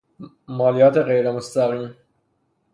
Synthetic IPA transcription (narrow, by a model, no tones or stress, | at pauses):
mɑːlijɑːt̪eɣejɾemost̪æɣiːm